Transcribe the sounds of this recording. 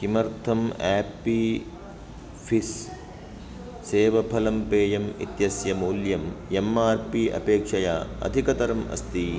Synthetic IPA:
kimɐɾt̪ʰɐmaːpːi | pʰis | seːʋɐpʰɐlɐmpeːjɐmḭt̪jɐsjɐmuːljɐmemaːɾpiʔɐ̰peːkʂɐja̰ːɐ̰d̪ʱikɐt̪ɐɾɐmɐ̰st̪i

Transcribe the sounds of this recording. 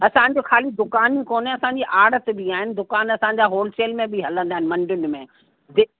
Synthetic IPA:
ɐsãɲ̆d͡ʑoxʰaːlid̪ʊkaːnikoːnɦɛ̃ɐsãɲd͡ʑiʔaːɽət̪bɪaːɦɪnɪ̆d̪ʊkaːnɐsãɲd͡ʑaːɦoːlseːlmẽbɪɦɐlə̃nd̪aːɦɪnɪ̆mɐ̃ɳɖʊnɪ̆mẽ | d̪ɪ

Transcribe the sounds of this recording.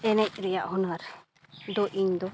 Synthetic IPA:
ɛnɛc̚ɾɛjaʔhɔnaɾ | d̪ɔʔiɲd̪ɔ

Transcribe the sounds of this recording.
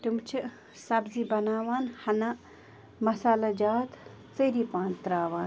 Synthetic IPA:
ʈumt͡ʃʰɨ | sɐbzibɐnaːʋaːnhɐna | mɐsaːlɐd͡ʒaːt̪ | t͡sɐɾipaːnt̪ɾaːʋaːn

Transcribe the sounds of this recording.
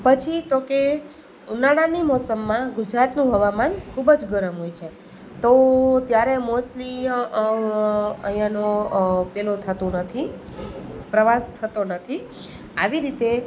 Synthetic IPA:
pət͡ʃʰit̪oke | unaɽ̃animɔsəmːãɡʊd͡ʒɾat̪nũɦəʋamankʰubəd͡ʒɡəɾəmɦojt͡ʃʰe | t̪ot̪jaɾemosʈli | əɦijãnopelot̪ʰət̪ũnət̪ʰi | pɾəʋast̪ʰət̪onət̪ʰi | a̰ʋiɾit̪e

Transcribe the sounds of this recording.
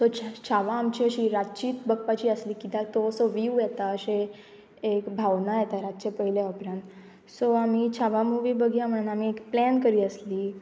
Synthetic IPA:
sot͡ɕt͡ɕʰaʋaːmt͡ɕiəɕiːɾat͡ɕiːt̪bək̚pat͡ɕiːəsliːkit̪at̪osoʋiujɛt̪aəɕe | ekbʱawnajɛt̪aɾat̪ːt͡ɕepəɦileɔpɾãnt̪ | soamit͡ɕʰaʋamuʋibəɡʱjãm̤əɽ̃unamiːekplænkəɾiːəsliː

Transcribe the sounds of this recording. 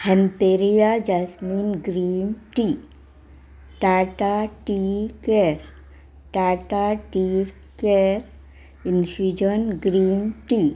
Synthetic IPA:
hɛ̃mpeɾijad͡ʒasmĩːnɡɾiːmʈi | ʈaːʈaʈikeɾ | ʈaːʈaʈiɾ | keɾ | insud͡ʒənɡɾiːmʈi

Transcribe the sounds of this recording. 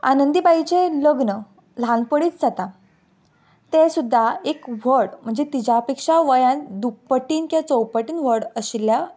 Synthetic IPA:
anənd̪ibait͡ɕeləɡnə | lãnpəɽiːt͡sd͡zat̪a | t̪esud̪ʱːaekʋəɽm̤əɳd͡zet̪id͡ʑapekʂaʋəjãd̪uk̚pəʈiːnkjat͡sowpəʈiːnʋ̤əɽəɕilːja

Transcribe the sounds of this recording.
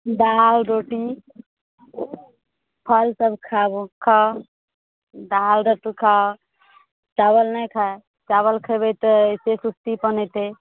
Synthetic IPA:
d̪alɾoʈi | pʰəlsəbkʰabukʰa | dalɾoʈukʰa | t͡ʃaβəlnəjkʰa | t͡ʃaβəlkʰəbet̪ɔsesust̪ipənɛt̪e

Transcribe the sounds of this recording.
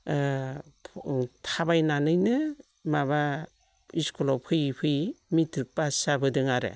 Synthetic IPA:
tʰabajnanɯjnɯ | maba | iskʰɔlɔpʰɯjpʰɯjmitɾɯk̚pasabɯdɯŋaɾḛ

